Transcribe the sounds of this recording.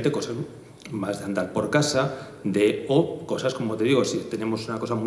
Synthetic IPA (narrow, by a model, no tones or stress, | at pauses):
nt̪eko̞saz | mazðeand̪aɾpo̞ɾkasa | d̪eoko̞sasko̞mot̪e̞ðiɣ̞o̞sit̪e̞ne̞mo̞sunako̞samu